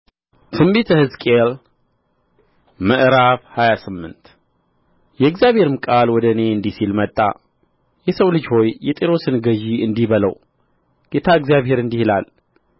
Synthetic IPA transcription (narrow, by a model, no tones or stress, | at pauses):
t̪ʰɨmbet̪ʰəhɨzkʼel | məʔɾafhajasɨmːɨnt̪ | jɛɨɡzijaβhe̞ɾɨmkʼalwɔd̪əne̞ɨnd̪isilmət̪ʼːa̰ | jɛsəwlɨd͡ʒho̞jːɛt̪ʼeɾo̞sɨnɡəʒiɨnd̪iβələ̰w | ɡ̥et̪ʰaɨɡzjaβhe̞ɾɨnd̪ihilal